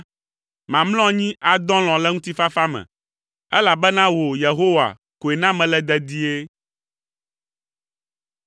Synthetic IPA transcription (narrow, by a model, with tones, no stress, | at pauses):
mã˨mlɔ̃˦ɲĩ˦ʔa˨d̪ɔ̃˦l̃ɔ̃˨lɛ˦ŋũ˦t̪i˦fa˦fa˦mɛ̰̃˨ | ɛ˦la˨bɛ˦nã˦wo˨je˨ɦo˦wa̰˨ | ko˨e˨nã˦mɛ̃˨lɛ˦d̪ɛ˨d̪i˦e˦